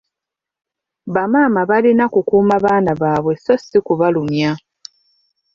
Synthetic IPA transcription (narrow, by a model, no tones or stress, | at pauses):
βamaːmaβalinakukuːmaβaːnaβaːβwe̞sosikuβalumja